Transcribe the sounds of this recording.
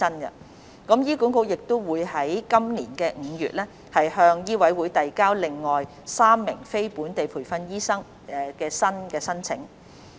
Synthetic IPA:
ɐ˥nɡɐ̰˧˨ | kɐ˨˥mjiː˥ku˨˥nko˧wjɪ˨k̚t̪o˥wwuː˨˧jhɐ˨˥jkɐ˥mnliː˨˩nkɛː˧ŋ̩ː˨˧jy̰ː˨t̚lɛː˥ | hɐ˨jɦœː˧ŋjiː˥wɐ˨˥jwuː˨˥jt̪ɐ˨jkaː˥wlɪ˨˩ŋːɔː˨˩j | saː˥mːɪ˨˩ŋfe˥jpuː˨˥nt̪e˨jpʰuː˨˩jfɐ˧njiː˥sɐ˥ŋ | ɛ˨˩kɛː˧sɐ˥nkɛː˧sɐ˥nt͡sʰɪ̰˨˥ŋ

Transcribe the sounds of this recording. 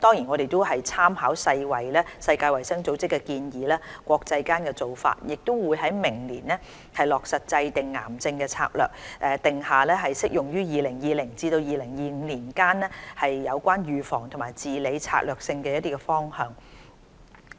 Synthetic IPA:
t̪ɔː˥ŋji˨˩nɔ˨˧ɾe˨jt̪o˥whɐ˨jt͡sʰaː˥mhaː˨˥wsɐ˧jwɐ˨˩jlɛː˥sɐ˧jkaː˧jwɐ˨˩jsɐ˥ŋt͡so˨˥wt͡sɪ˥kːɛ˧kiː˧njiː˨˥lɛː˥kʷɔː˧k̚t͡sɐ˧jkaː˥nkɛ˧t͡so˨wfa̰ː˧t̚jɪ˨k̚t̪o˥wwuː˨˧jɦɐ˨˥jmɪ˨˩ŋliː˨˩nːɛː˥ | hɐ˨jlɔː˨k̚sɐ˨t̚t͡sɐ˧jt̪ɪ˨ŋːa̰ː˨˩mt͡sɪ˧ŋkɛː˧t͡sʰa̰ː˧k̚lœ̰ː˨˩k̚ʔɛː˨t̪ɪ˨ŋhaː˨˩lɛː˥ɦɐ˨jsɪ˥k̚jʊ˨˩ŋjyː˥jiː˨lɪ˨˩ŋjiː˨lɪ˨˩ŋt͡siː˧t̪o˧wjiː˨lɪ˨˩ŋjiː˨ŋ̩˨˧liː˨˩nkaː˥nɛː˥hɐ˨jːɐ˨˧wkʷaː˥njyː˨fɔː˨˩ŋt̪ʰʊ˨˩maː˨˩jt͡siː˨le˨˧jt͡sʰa̰ː˧k̚lœː˨k̚sɪ˧ŋkɛː˧jɐ˥t̪iː˥kɛ˧fɔː˥ŋhœː˨˧ŋ

